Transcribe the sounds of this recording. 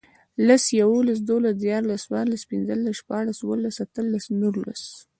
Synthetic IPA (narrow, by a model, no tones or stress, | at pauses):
lasjawolas̬d̪olasd̪jɑɾlaswaɾlaspɪnzəlasʃpɑɽasuwəlasat̪əlːasnuɾla̰s